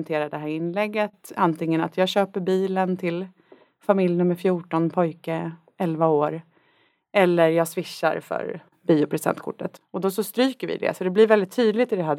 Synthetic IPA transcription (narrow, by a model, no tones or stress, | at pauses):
nt̪ʰeːɾad̪ɛɦæːɾɪnːlɛɡːət̪ant̪ʰɪŋːəna̰t̪jɑːɡɕøːpəɾbiːlənt̪ʰɪl | famɪljnɵmːəɾfjuːʈɔnpʰɔjkə | ɛlvaoːɾ | ɛlːəɾjɑːɡsvɪʂːa̰ɾfœ̰ɾ | biːʊpʰɾɛsɛ̰nt̪̚kʰʊ̰ʈːə̰t̪ɔd̪ɔsɔst̪ɾyːkəɾvɪ̰d̪ɛ̰sɔd̪ɛblɪɾvɛld̪ɪt̪ʰːyːd̪lɪt̪ɪd̪ɛɦæː